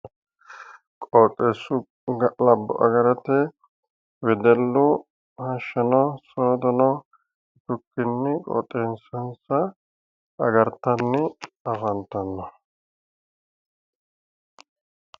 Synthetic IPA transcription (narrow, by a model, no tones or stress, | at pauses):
kʼot̪ʼːeːsʊ | ɡlɐbːʊ̰ʔɐ̰ɡɐɾɐt̪ɛ | wɛd̪ɛlːʊ | hɐʃːɐnɔsɔɾd̪ɔnɔ | t̪ʊkːɪnːɪkʼɔ̰t̪ʼːeːnsɐnsɐ | ɐɡɐɾt̪ːɐnːɪɐfɐnt̪ːɐnːɔ